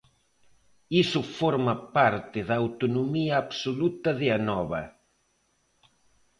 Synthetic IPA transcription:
isʊfɔɾmɐpaɾt̪ɪðɐːwt̪onomiɐːβsolut̪ɐðɪɐnɔβɐ

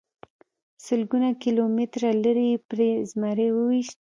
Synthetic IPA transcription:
səlɡunakilomɪt̪ɾaləɾipɾezmaɾewəwiʃt̪̚

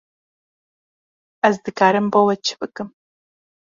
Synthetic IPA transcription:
ɐzdɨkʰaːɾɨmbowɐt͡ʃʰɪ̥pʼɨkʼɨm

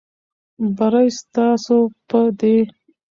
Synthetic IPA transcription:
baɾajst̪ɑsopəd̪e

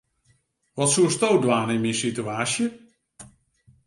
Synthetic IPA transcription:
ʋɑtsustowdʋaːnɪnmisityaːsjə

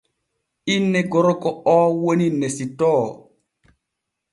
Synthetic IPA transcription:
inːɛɡɔɾɔkɔɔːwoninːɛsitɔː

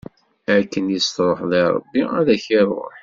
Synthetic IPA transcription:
æɾkːənjist̪ɾˤoħleɾˤə̰bːiæðæçirˤo̰ħ

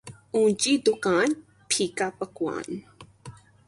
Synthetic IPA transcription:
unt͡ʃid̪ʊkãn | pʰikapakwa̰n

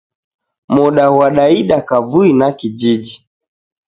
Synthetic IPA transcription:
mɔɗawaɗaiɗakavuinakid͡ʒid͡ʒi

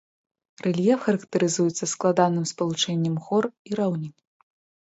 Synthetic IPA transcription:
rɛlʲjɛfxɐɾɐkt̪ɐɾɨzujɛt̪sːɐsklˠad̪anɨmspɐlˠut͡ʂɛnʲːɐmɣɔriɾawnʲi

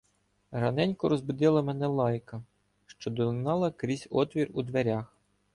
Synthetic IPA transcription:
ɾɐnɛnʲkɔɾɔzbʊd̪ɪlˠɐmɛnɛlˠɑjkɐ | ʃt͡ʃɔd̪ɔnɑlˠɐkɾʲizʲɔt̪ʋʲirud̪ʋeɾʲɑx

